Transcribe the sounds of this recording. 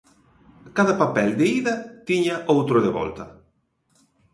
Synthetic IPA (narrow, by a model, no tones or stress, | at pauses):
kaðɐpapɛld̪eiðɐt̪iɲaʔowt̪ɾoðeβɔ̰lt̪ɐ